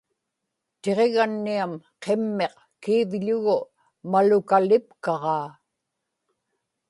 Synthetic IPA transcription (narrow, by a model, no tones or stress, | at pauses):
t̪e̞ʁe̞ɣanːiamqʰe̞mːe̞q | kiːvʎʊɣʊ | malʊkalɪpkɑʁɑː